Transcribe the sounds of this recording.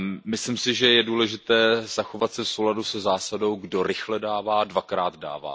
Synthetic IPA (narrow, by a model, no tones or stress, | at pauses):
mɪslɪmsɪʒɛjɛduːlɛʒɪt̪ɛːz̥axovat̪sɛfsowladusɛzaːsado̞wɡdo̞ɾɪxlɛdaːvaːdvakɾaːd̪da̰ːva̰ː